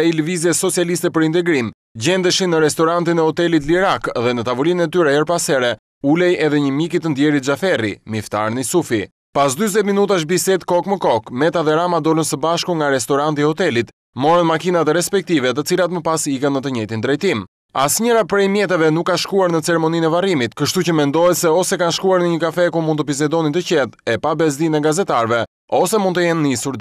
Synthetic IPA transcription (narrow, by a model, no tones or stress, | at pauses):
ɛiləvizɛsɔt͡sijalist̪ɛpəɾint̪ɛɡɾim | ɟɛnd̪əʃinəɾɛst̪ɔɾant̪inɛhɔt̪ɛlit̪liɾakðɛnət̪avulinnɛt̪yɾɛɛɾpasɛɾɛ | ulɛjɛðɛɲəmikit̪ənd̪jɛɾit̪̚d͡ʒafɛrimift̪aɾnisufi | pasd̪yzɛt̪minut̪aʃ̬bisɛt̪kɔkməkɔkmɛt̪aðɛɾamad̪ɔɾənsəbaʃkuŋɡaɾɛst̪ɔɾant̪iɔt̪ɛlit̪ | mɔɾənmakinat̪ɛɾɛspɛk̚t̪ivɛt̪̬ət͡silat̪məpasikənːət̪əɲɛjt̪ind̪ɾɛjt̪im | asɲəɾapɾɛjmjɛt̪̬ɛvɛnukːaʃkuaɾnət͡sɛɾɛmɔninɛvaɾimit̪kəʃt̪ucəmɛnd̪ɔjɛt̪sɛɔsɛkanʃkuaɾnəɲəkafɛkumunt̪əpis̬ɛd̪ɔnint̪əcɛðɛpabɛz̬d̪inɛɡazɛt̪aɾvɛ | ɔsɛmunt̪əjɛnːisuɾ